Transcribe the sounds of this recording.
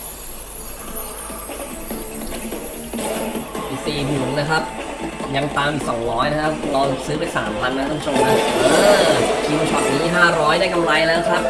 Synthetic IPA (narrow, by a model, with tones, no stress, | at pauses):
ʔiː˨˩siː˨˩pʰu˨˩ŋ̚lɤː˧jkʰɾa˦˥p̚ja˧ŋt̪aː˧mʔiː˨˩k̚sɔ˩˦ŋɾɔː˦˥jna˦˥kʰa˦˥p̚lɔː˧la˨˩k̚sɯː˦˥pa˧jsa̰ː˩˦mpʰa˧nːa˧˥t̪ɔ˥˩ŋt͡ɕʰo˧ŋkʰa˦˥˩ʔɤː˧kʰiː˧nu˧t͡ɕʰɔ˦˥p̚siː˩˦iː˥˩ɦaː˥˩ɾɔː˦˥jdaː˥˩jka˧mɾa˧jlɛː˦˥wkʰɾa˦˥p̚